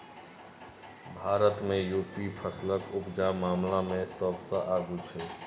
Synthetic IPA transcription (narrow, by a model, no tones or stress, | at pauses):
bʱaːɾət̪mẽjuːpipʰəsləkʊpd͡ʒamaːmlamẽsəbsəʔaːɡut͡ʃʰɛː